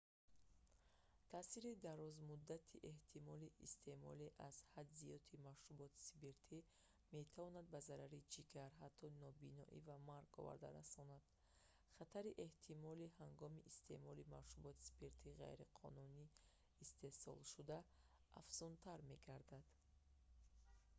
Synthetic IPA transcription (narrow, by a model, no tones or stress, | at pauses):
t̪ʰaːsiɾid̪aɾɔzmud̪ːat̪ʰiʔe̞ht̪ʰimɔliist̪e̞mɔliʔaz̥had̪zijɔt̪ʰimaʃubɔt̪ʰi̥sibeɾt̪ʰi | me̞t̪ʰavɔnad̪̚bazaɾaɾid͡ʒiɡaɾɦat̪ʰːɔnɔbinɔ̰ʔḭvamaɾɡɔ̰va̰ɾd̪a̰ɾasɔnad̪̥ | χat̪ʰaɾiʔe̞ht̪ʰimɔlihaŋɡɔmiʔist̪ʰe̞̰mɔlimavʃubɔt̪i̥si̥beɾt̪ʰiʁa̰jɾiqʰɔ̰nuniː | st̪e̞sɔ̰lʃud̪a | a̰fz̥unt̪ʰaɾme̞ɡaɾd̪ad̪̥